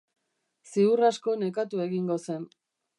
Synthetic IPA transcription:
siurasko̞ne̞kat̪ue̞ɣiŋɡo̞se̞n

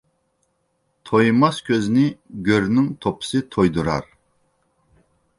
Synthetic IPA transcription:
t̪ʰojmɑskʲʰøzniɡʲøɾnyŋt̪ʰopʰɨ̥sɨt̪ʰojd̪uɾɑ̰ɾ

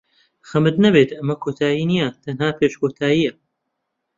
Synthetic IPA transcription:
xɐmɨd̪nɐbeːt̪ʰɐmɐkʰoːt̪ʰaːjiːnijɐt̪ʰɐnhaːpʰeːʃkʰoːt̪ʰaːjiːɐ

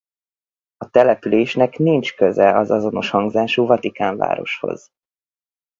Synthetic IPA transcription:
ɒt̪ɛlɛpyleːʃnɛknint͡ʃkøzɛɒzɒzo̞no̞ʃhɒŋɡzaːʃuːvɒt̪ikaːɱva̰ːɾo̞̰ʃho̞̰z̥

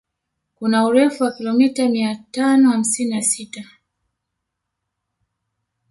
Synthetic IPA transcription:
kunauɾɛfuwakilɔmitamiatanɔham̩sininasita

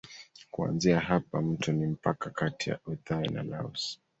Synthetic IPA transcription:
kua̰nziaɦapam̩tɔnim̩pakakatija̰ɔθaina̰laɔs

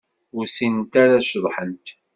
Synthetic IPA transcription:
ʊɾsint̪aɾaʃðˤħənt̪

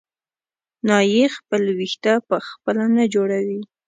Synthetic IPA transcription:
nɑjexpəlwixt̪apəxpəlanad͡ʒoɽawi

